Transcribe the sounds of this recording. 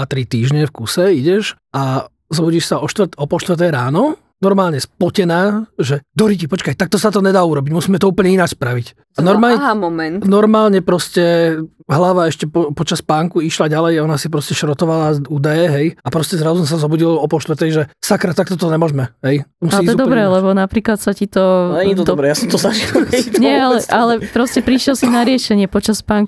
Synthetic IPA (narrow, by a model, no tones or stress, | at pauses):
at̪ɾit̪iːʒɲɛfkusɛiɟɛʃʔa | zɔbuɟiʃsaɔʃt̪ʋɾt̪ɔpɔʃt̪ʋr̩t̪̬ɛjɾaːnɔ | nɔɾmaːlɲɛspɔcɛnaːʒɛd̪ɔɾicipɔt͡ʃkajt̪ak̚t̪ɔsat̪ɔɲɛd̪aːuɾɔbiɟmusiːmɛt̪ɔuːpl̩ɲɛinat͡ʃspɾaʋic | anɔɾmaːmɔmɛnt̪nɔɾmaːlɲɛpɾɔscɛ | ɦlaʋaɛʃcɛpɔpɔt͡ʃaspaːŋkuiʃlaɟalɛjaɔnasipɾɔscɛʃɾɔt̪ɔʋalauːd̪ajɛɦɛjapɾɔscɛzɾazusɔsazɔbuɟilɔpɔlʃt̪ʋɾt̪ɛjʒɛsakɾat̪ːak̚t̪ɔt̪ɔɲɛmʊɔʒmɛɦɛj̪musitːzɛd̪ɔbɾɛlɛbɔnapɾiːklat̪sacit̪ɔɛɲit̪ɔd̪ɔbɾɛjasɔmt̪ɔzaʒilɛɲit̪ɲɛalɛʔalɛpɾɔscɛpɾiʃjɛlsinaɾɪɛʃɛɲɪɛpɔt͡ʃaspaːŋk